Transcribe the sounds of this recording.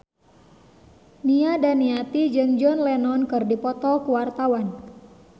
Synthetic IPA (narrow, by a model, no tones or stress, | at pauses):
niadaniat̪id͡ʒɨŋd͡ʒɔnlɛnɔnkɨrdipɔt̪ɔkuwart̪awan